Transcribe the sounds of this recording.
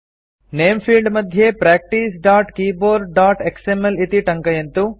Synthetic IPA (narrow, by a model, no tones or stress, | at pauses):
neːmpʰiːlɖmɐd̪ʱjepɾaːk̚ʈiːsɖaːʈkiːboːɾɖaːʈeksemelit̪iʈɐŋkɐjɐnt̪u